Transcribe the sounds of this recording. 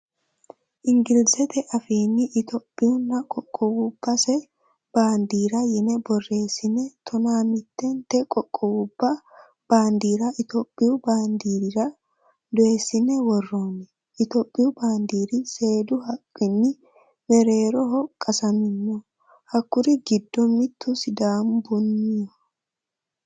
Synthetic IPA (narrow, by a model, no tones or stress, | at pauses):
ʔɪŋɡɪlsɛt̪ɛʔɐfiːnːɪʔɪt̪ɔpʼːɪjʊnːɐkʼɔkʼːɔwʊbːɐsɛ | b̥aːnd̪iːɾɐjɪnɛbɔrːe̞ːsːɪnɛt̪ʰɔnaːmɪt̪ːɛnt̪ɛkʼɔkʼːɔwʊbːɐ | b̥aːnd̪iːɾɐɪt̪ɔpʼːɪjʊbaːnd̪iːɾɪɾɐ | d̪ɔeːsːɪnɛwɔrːoːnɛ | ʔɪt̪oːpʼːɪjʊbaːnd̪iːɾɪse̞ːd̪ʊɦɐkʼːɪnːɪ | mɛɾe̞ːɾɔɦɔkʼːɐsɐmɪmːɔ | hɐkːʊɾɪɡɪd̪ːɔmɪt̪ʰːʊsɪd̪aːmbʊnːɪjɔ